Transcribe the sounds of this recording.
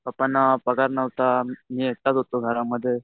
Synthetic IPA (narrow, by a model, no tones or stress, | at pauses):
apənːapəɡaɾnəʋt̪amiːek̚t̪at̪ɦot̪oɡʱəɾamːəd̪ʱːje